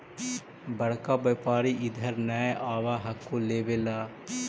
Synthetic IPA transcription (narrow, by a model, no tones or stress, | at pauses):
bɐɽ̤kaːbepaːɾiʔɪd̪ʱəɾnɛʔaːʋaːɦɐkːoleːʋelaː